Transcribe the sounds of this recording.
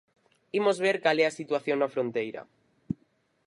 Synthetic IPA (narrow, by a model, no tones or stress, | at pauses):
imozβ̞eɾkalɛasit̪waθjoŋnɐfɾõnt̪ejɾɐ̰